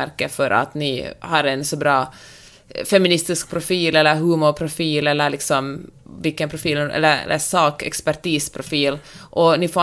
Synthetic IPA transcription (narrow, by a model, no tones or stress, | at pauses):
æɾkəfɔɾɑ̰t̪nɪhɑɾɛnsɔbɾɑː | fɛmɪnɪst̪ɪsk̚pʰɾʊfiːlɛlːəɾɦʉːmʊɾpʰɾʊfiːlɛlːəɾlɪksɔmʋɪlkənpʰɾʊfiːlʔɛ̰lːəɾɛ̰lːəsɑːkɛ̰kspæɾʈ̪iːspʰɾʊfiːlʔɔnɪfoː